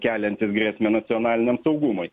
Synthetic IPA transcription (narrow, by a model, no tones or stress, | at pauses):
kʲæːlʲɛnt̪ʲɪsɡɾʲiɛsʲmʲenɐt̪sʲɪɔnɑːlʲɪnʲɛmsɒʊɡumʊɪ